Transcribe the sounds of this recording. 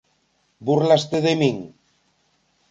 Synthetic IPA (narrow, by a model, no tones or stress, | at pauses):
burlast̪eðemiŋ